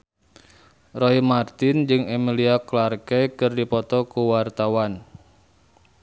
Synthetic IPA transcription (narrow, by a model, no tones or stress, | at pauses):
rɔimart̪ɪnd͡ʒɨŋemiliaklarkɛkɨrdipɔt̪ɔkuwart̪awan